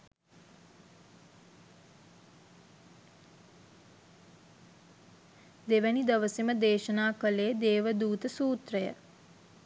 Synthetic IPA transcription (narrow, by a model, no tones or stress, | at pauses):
d̪eʋənid̪əʋəsiməd̪eːʃənaːkəleːd̪eːʋəd̪uːt̪əsuːt̪rəjə̰